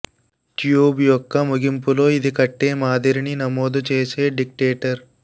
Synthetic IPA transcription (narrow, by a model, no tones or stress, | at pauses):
ʈjuːbjɔkːɐmuɡimpulo̞ːid̪ikɐʈːeːmaːd̪ɐɾininɐmoːd̪ut͡ʃeːseːɖik̚ʈeːʈɐɾ